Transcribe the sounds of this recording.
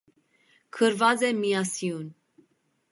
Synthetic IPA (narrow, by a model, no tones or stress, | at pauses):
kʰəɾvɑd͡zɛmijɑsijun